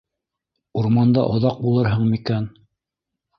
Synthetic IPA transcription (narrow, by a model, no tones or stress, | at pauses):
uɾmɑnd̪ɑ̰ʔŏðɑq̚bulˠɤɾɦɤɴmikæn